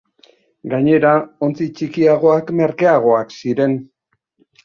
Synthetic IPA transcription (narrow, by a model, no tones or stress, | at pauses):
ɡaɲe̞ɾao̞nt͡sit͡ʃikiaɣ̞o̞akme̞ɾkeaɣ̞o̞aksiɾe̞n